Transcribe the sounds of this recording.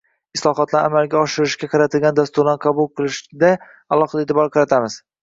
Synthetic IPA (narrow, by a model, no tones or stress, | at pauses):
ɪslˠɒɦɒt̪ʰlaɾamalɡʲaɒʃɪɾɪʃɡʲaqʰɑɾat̪ʰɪlɡʲand̪ast̪ʊɾanqʰɑbʊlˠqʰɨlˠɪʃd̪a | alˠɒqɑd̪aet̪ʰɪbɒɾqʰɑɾat̪ʰamɪz̥